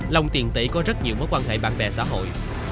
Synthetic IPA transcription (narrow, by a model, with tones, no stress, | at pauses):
lə˧wŋ͡mt̪i˨˩ənt̪ḭ˧˩˥kɔ˨˦zə˦˥t̚ɲi˨˩mɔː˨˦jkwaː˧nɦḛ˧˨jɓa̰ː˧˨nɓɛ̰˨˩sa̰ː˧˥ɦo̰˧˨j